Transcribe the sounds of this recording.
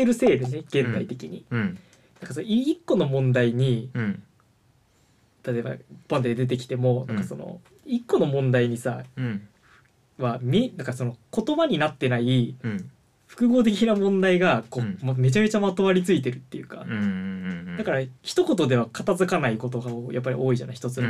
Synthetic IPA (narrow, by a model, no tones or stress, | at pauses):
eɾɯ̟se̞ːd̪eneɡ̥ẽ̞nt̪ait̪e̞kʲiɲ̟i | nãŋkasonoiikːo̞no̞mõ̞nd̪aiɲ̟i | t̪at̪e̞ba̰pãnd̪ed̪e̞t̪̬e̞kʲi̥t̪e̞mo̞nã̰ŋkḁso̞no̰ | ikːo̞no̞mõ̞nd̪aiɲ̟isa | βamʲinãŋkaso̞no̞ko̞t̪o̞baɲ̟inat̪ːe̞nai | ɸɯ̟̥kɯ̟ɡo̞ːt̪̬e̞k̬ʲinamõ̞nd̪aiɡako̞ːmme̞t͡ɕame̞t͡ɕamat̪o̞βaɾʲit͡sɨit̪̬e̞ɾɯ̟t̪ːe̞jɯ̟ka | d̪akaɾaçi̥t̪o̞ko̞t̪o̞d̪e̞β̞akʰat̪azɨkanaiko̞t̪o̞ɡaojapːaɾʲḭʔo̞ːiʑa̰naçi̥t̪o̞t͡sɨ